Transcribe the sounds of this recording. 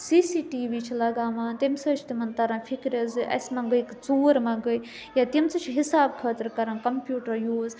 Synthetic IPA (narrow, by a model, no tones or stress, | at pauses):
siːsiːʈiːʋiːt͡ʃʰilɐɡaːʋaːnt̪imsəːt͡ʃʰt̪imɐnt̪ɐɾãːfʰikɾʲɐzɨʔɐ̰sʲmɐ̃ɡəkt͡suːɾmɐ̃ɡəj | jaːt̪imt͡sɨt͡ʃʰɦisaːb̚kʰəːt̪ɐɾkɐɾankɐmpʲjuːʈɐɾjuːz